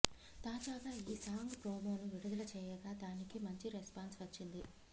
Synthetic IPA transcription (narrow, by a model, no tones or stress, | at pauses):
t̪aːd͡ʒaːɡaːiːsaːŋɡpɾoːmoːnuʋiɽud̪ɐlɐt͡ʃɛːjɐɡaːd̪aːnikimɐɲt͡ʃiɾespaːnsʋɐt͡ʃːind̪i